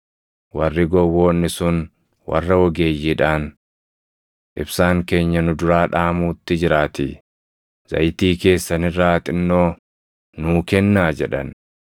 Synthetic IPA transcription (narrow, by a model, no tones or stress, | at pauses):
wɐrːɪɡɔwːoːnːɪsʊn | wɐ̰rːɐwɔɡeːjːɪᶑaːn | ʔɪbsaːŋke̞ːɲːɐnʊd̪ʊɾaːᶑaːmuːt̪ːɪd͡ʒɪɾaːt̪ɪ | z̥ɐ̰jt̪iːke̞ːsːɐnɪrːaːt̪ɪnːoː | nʊːkɛnːaːd͡ʒɛᶑɐn